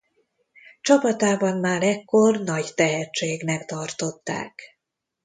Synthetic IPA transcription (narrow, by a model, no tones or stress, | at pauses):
t͡ʃɒpɒt̪aːbɒnmaːɾɛkːo̞rnɒɟt̪ɛɦɛt͡ʃt͡ʃːeːɡnɛkt̪ɒrt̪o̞t̪ːa̰ːk